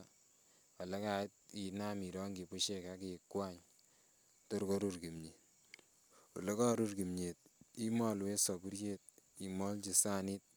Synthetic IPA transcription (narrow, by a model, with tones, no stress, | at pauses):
ɔ˨le˦ka˨i˦t̚i˨na˦mi˨ɾɔ˦ŋɡi˨pu˦ʃe˦ka˦ke˨kwaɲ | to˦ɾko˦ɾu˦ɾki˨mɲi˨ | ṵ˨le˦kɔ˦ɾu˦ɾki˨mɲe˨t̚i˦mɔ˦lwe˦sɔ˨bu˦ɾje˦t̚i˨mɔ˦lt͡ʃi˨sa˦ni˦t̚